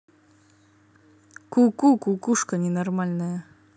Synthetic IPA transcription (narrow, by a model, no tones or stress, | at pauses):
kukukukuʂkənʲɪnɐrmalʲnəjə